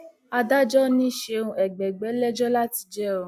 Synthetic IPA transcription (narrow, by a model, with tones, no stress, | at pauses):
a˧da˦d͡ʒɔ˦nĩ˦˨ʃe˧ũ˧ɛ˨ɡ͡bɛ˨ɡ͡bɛ˨˦lɛ˦d͡ʒɔ˦la˦ti˧d͡ʒɛ˦o˨˧˨